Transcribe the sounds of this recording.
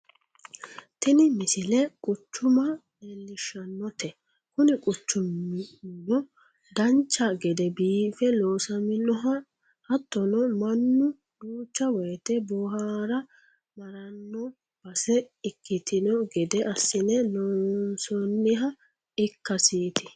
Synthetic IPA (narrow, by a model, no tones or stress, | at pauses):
t̪ɛnɪmɪsɪlɛkʼʊt͡ʃːʊmɐ | elːɪʃɐnːɔt̪ɛ | kʊnɛkʼʊt͡ʃːʊmnːɔ | d̪ɐnt͡ʃːɐɡɛd̪ɛbiːfɛloːsɐmɪnɔɦɐ | hɐt̪ːɔnɔmɐnːʊ | d̪uːt͡ʃːɐwɔjt̪ɛbɔɦaːɾɐ | mɐɾɐnːɔ | b̥ɐsɛɪkːɪt̪ɪnɔɡɛd̪ɛʔɐsːɪnɛlɔːnsɔnːɪɦɐ | ɪkːɐsiːt̪ɪ